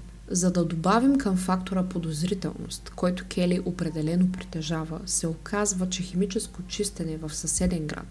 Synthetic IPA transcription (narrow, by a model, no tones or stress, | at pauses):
zɐd̪ɐd̪obavimkəmfakt̪oɾəpod̪ozɾit̪ɛ̰lˠno̰st̪kɔjt̪o̥kʰʲɛliʔopɾɛd̪ɛlɛnopɾit̪ɛʒavəsɛokʰazvət͡ʃɛxɛmit͡ʃɛskot͡ʃist̪ɛnɛvɐfsɐsɛd̪ɛŋɡɾa̰t̪